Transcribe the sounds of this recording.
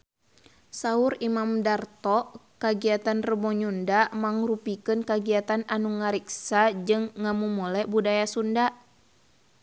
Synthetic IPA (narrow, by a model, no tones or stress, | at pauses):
sauɾimamdart̪ɔʔkaɡiat̪anrəbɔɲundamaŋrupikɨnkaɡiat̪ananuŋaɾiksad͡ʒɨŋːamumulɛbudajasunda